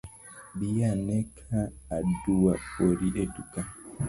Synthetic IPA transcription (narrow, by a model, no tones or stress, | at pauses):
bijanɛkʰaːduwafoɾiɗɛduka